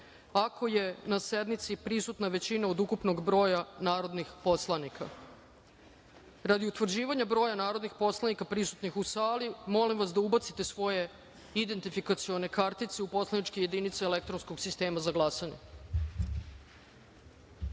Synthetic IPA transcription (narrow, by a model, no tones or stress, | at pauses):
akʰo̞je̞nase̞d̪mit̪sipɾisut̪naʋe̞t͡ɕinaod̪ukupno̞ɡbɾo̞ːjanaːɾo̞d̪nixpo̞slˠanikʰa̰ | ɾad̪iut̪ʋr̩d͡ʑiːʋaɲabɾo̞ːjanaːɾo̞d̪nixpo̞slˠanikapɾisu̥t̪nixusaːlimo̞limʋasd̪aubat̪sit̪e̞sʋo̞je̞ | id̪e̞nt̪ifikat̪sio̞ne̞kaɾt̪it̪se̞upo̞slˠanit͡ʃkeje̞d̪init̪seelek̚t̪ɾo̞nsko̞ɡsist̪e̞ːmazaɡlˠasaɲe